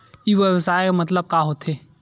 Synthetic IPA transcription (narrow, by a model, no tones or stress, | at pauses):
jiʋʋəsaːemɐt̪̬ləb̚kaɦot̪ʰeː